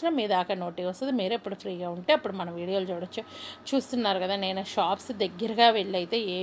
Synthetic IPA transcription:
nɐmiːd̪ɐɐːkɐno̞ːʈiːɐst̪ud̪imiːɾɐpːuɽupʰɾiːɡaːuɳʈe̞ːɐpːuɽumɐnɐ̃mʋiːɽijoːlut͡ʃuːɽɐt͡ʃːut͡ʃuːst̪unːaːɾukɐd̪aːneːnɐʃaːpsd̪ɐɡːɐɾɐɡaːʋeɭːɐjt̪e̞ːeː

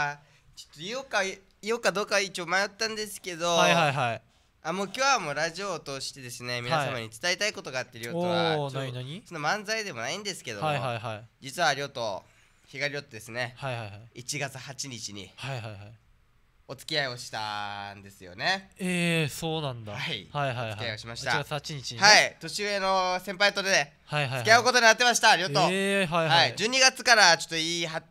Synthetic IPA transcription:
t͡ɕo̥t̪ːoioka | iokad̪o̞ːkait͡ɕoːmajo̞t̪ːãnd̪e̞sɨ̥ke̞d̪o̞haɦaiɦai | amo̞ːkʲo̞ːβamoːɾaʑio̞t̪oɕi̥t̪e̞d̪e̞sɨne̞mʲinaasamaɲ̟it͡sɨ̥t̪ait̪aiko̞t̪o̞ɡaːt̪ːeɾiotoβaoaɲinaɲʲisonːomãnd͡zaid̪e̞mo̞naĩnd̪e̞sɨ̥ke̞d̪o̞aiɦaiɦaid͡ʑit͡sɨβaːɾʲio̞t̪o̞ | çiɡaɾʲiɾo̞t̪ːe̞d̪e̞sɨne̞haihajhaiit͡ɕiɡat͡sɨhat͡ɕiɲ̟it͡ɕiɲ̟ḭhaiɦajɦai | o̞t͡sɨ̥kʲiaio̞ɕi̥t̪a̰nd̪e̞sɨjo̞̰ne̞esoːnãnd̪aaihaiɦaiɨkiaio̞ɕimaɕit̪aɡat͡sɨhat͡ɕiɲit͡ɕiɲhait̪o̞ɕiɯeno̞sẽ̞mpait̪oɾed̪e | haiɦaɨkʲiaɯ̟ko̞t̪o̞ɲ̟inat̪ːemaɕi̥t̪aɾʲiot̪oeɦaihaid͡ʑɨːɲ̟iɡat͡sɨ̥kaɾat͡ɕo̞̥t̪ːoiːɦa

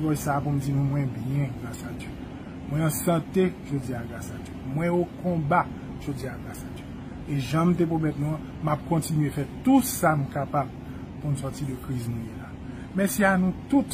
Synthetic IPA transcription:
kɔjsapumd͡zinũmwɛ̃bjɛ̃ɡlasad͡ʒø | mwɛ̃ɑ̃sɑ̃t̪eʒod͡ziaɡasad͡ʒømwɛ̃okɔ̃ba | ʒ̥od͡ziaɡlasadɛ | eʒãm̩t̪̬ep̬omɛt̪nũã | map̚kɔ̃tinɥefɛtusam̩kapab | punusɔtidəkʁiznũjela | mɛsianũt̪ut

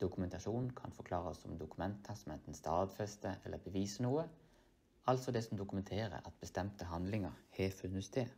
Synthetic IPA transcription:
d̪̥ʊkʉmɛnt̪ɑʃuːnn̩kʰɑ̰nfɔkʰlɑːʁəsːɔmd̪ʊkʉmɛnt̪ʰəsɔmɛnt̪n̩st̪ɑːd̪fɛst̪əɛ̰lʔəbəʋiːsənuːə | ɑlt̪sɔd̪ɛsɔmd̪ʊkʉmɛnt̪ʰeːʁə̰ɑt̪̚bəst̪ɛmt̪əɦɑnd̪lɪŋəʁhɛːfʉnːəsd̪eː

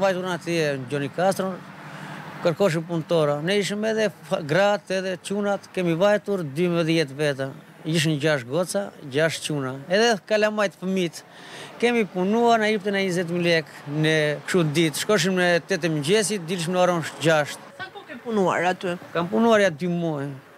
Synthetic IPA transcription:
vajt̪uɾnat̪iɛd͡ʒɔnikast̪ɾɔn | kəɾkɔʃ̬impunt̪ɔɾanɛiʃ̬əmɛðɛɡɾat̪ɛðɛt͡ʃunat̪kɛmivajt̪uɾd̪yməðjɛt̪vɛt̪̬a | iʃ̬əmɟaʃɡɔt͡saɟaʃt̪t͡ʃunaɛðɛkalamajt̪fəmit̪ | kɛmipunuaɾnaipt̪ɛnaɲizɛt̪̬milɛknɛkʃud̪it̪ʃkɔʃ̬imnɛt̪ɛt̪ɛmɲɟɛsit̪̚d̪ilʃmnaɾɔnʃɟaʃt̪̚sakɔkɛmpunua̰ɾat̪ykampunuaɾjad̪ymɔj

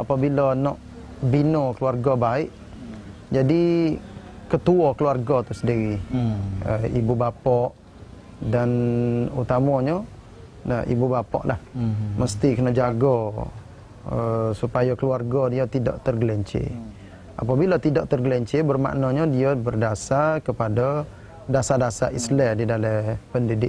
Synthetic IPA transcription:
apabilənɔʔ | binɔkəluarɡɔbaɪʔ | d͡ʒadi | kət̪uɔkəluarɡɔt̪usədiɾi | əibubapɔʔ | danut̪amɔɲə | naʔḭbubapɔ̰ʔlʔahməst̪ikənəd͡ʒaɡɔ | əsupajakəluarɡɔdiət̪ida̰ʔt̪ərɡlɛɲt͡ʃḛ | ʔa̰pabilət̪idɔʔt̪ərɡəlɛɲt͡ʃebərma̰ʔnɔɲədiəbərdasakəpada | dasadasaʔislɛdidalɛpəndidɪʔ̚

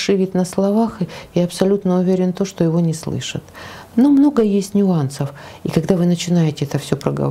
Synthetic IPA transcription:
ʂɨvʲɪt̪ʲnəslˠɐvaxɨjaɐpsɐlʲut̪nəʊvʲeɾʲɪnt̪o̞ʂt̪o̞jɪvo̞nʲɪslˠɨ̰ʂə̰t̪nomno̞ɡəjesʲtʲnʲʊansəfikɐɡd̪avɨnət͡ɕɪnajɪtʲɪɛt̪əfsʲo̞pɾəɡə̰

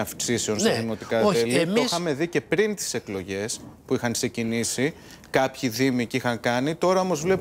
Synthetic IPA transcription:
ɐfksiseo̞nst̪ðino̞t̪ikɐoelitoxɐme̞ðice̞pɾint̪i̥se̞klo̞ʝe̞spuixɐŋkse̞cinisi | kɐpçiðimicixɐŋkɐnit̪o̞ɾɐo̞mo̞zvle̞p

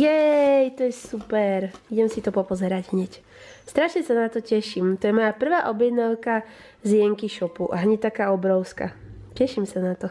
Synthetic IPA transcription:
jɛjt̪ɔjɛsupɛɾiɟɛmsit̪ɔpɔpɔzɛɾaɟɦɲɛc | st̪ɾaʃɲɛsanat̪ɔcɛʃimt̪ɔjɛmɔjapr̩ʋaːʔɔbjɛd̪naʊka | zɪjɛŋkiʃɔpuʔaɦɲɛt̪akaːɔbɾɔʊska̰cɛʃimsanat̪ɔ

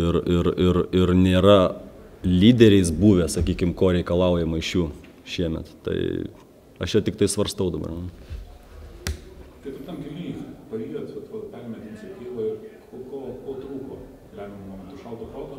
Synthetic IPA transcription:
ɪɾɪɾɪɾɪɾnʲeːɾɐ | lʲiːd̪ʲɛɾʲɛɪsbuːʋʲeːsɐkʲiːkʲɪmkoːɾʲɛɪkɐlˠɐˑʊjɛmɐɪʃʲjuː | ʃʲiɛmʲɛ̰t̪t̪ɐ̰ɪ | ɐʃjɛt̪ʲɪk̚t̪ɐɪsʋɐɾst̪ɐʊd̪ɐbɐ̰rn | t̪ɐɪtɪt̪ɐmkʲɪlʲiːspɐiːɐt̪ʋɐt̪ʋɐpʲɛlʲmʲɛt̪ʲɪmsʲɪkʲiːlˠɐɪrkokoːkoːt̪ɾuːkoː | lʲɛmʲɪmmoːmʲɛnt̪ʊʃɐʊt̪oːpɾoːt̪o

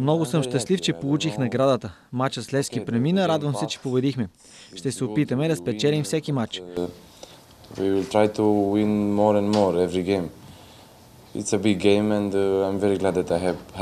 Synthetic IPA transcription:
mnɔɡʊsəmʃt̪ɐslift͡ʃɛpolˠut͡ʃixnɐɡɾad̪ət̪ə | mat͡ʃət̪slɛsk̟ipɾɛminəɾad̪vəmsɛt͡ʃɛ̥pobɛd̪ixmɛ | ʃt̪ɛsɛʊpit̪əmɛd̪ɐspɛt͡ʃɛlimfsɛkimat͡ʃ | wiwɪlt̪ʰɾajt̪ʰuwĩnmɔɾɛ̃nmɔɹɛvɾiɡẽɪ̃m | ɪ̰tsəbɪɡẽɪ̃mɛ̃ndãjmvɛɾiɡlæd̪ðɛt̪ajɦɛv

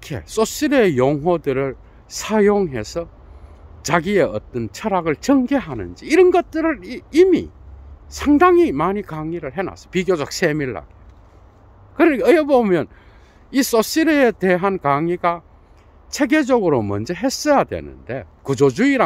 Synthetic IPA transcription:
kʰe̞̰s͈os͈iɾeejoŋɦwʌdɯɾɯɭ | sʰajoŋɦe̞sʰʌ | t͡ɕaɡie̞ʌt͈ʌnt͡ɕʰʌɾaɡɯɭt͡ɕʌŋɡeɦanɯ̰nd͡ʑiːɾʌnɡʌt̚t͈ɯɾɯɾimḭsʰaŋdaŋimaɲikaŋiɾɯɭɦe̞na̰sʰʌ̥piɡjod͡ʑʌk̚sʰe̞miɭːa̰ɡe | kɯɾʌjʌbomjʌn | is͈os͈iɾeete̞ɦankaŋiɡa | t͡ɕʰe̞ɡe̞d͡ʑʌɡɯɾomʌ̰nd͡ʑeɦe̞s͈ʌjadwe̞̰nɯ̰nde̞kud͡ʑod͡ʑuiɾa

